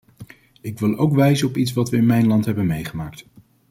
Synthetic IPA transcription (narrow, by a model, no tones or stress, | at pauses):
ɪkʋɪlˠowkʋɛjzənɔpitsʋɑtʋəɪnmɛjnlɑntɦɛbənmejχəmaːkt